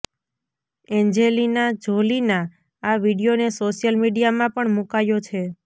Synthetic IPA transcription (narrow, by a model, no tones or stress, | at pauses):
ɛnd͡ʒelinad͡ʒolinã | aʋiɽijonesoʃijəlmiɖijamãpəɳmũkajot͡ʃʰe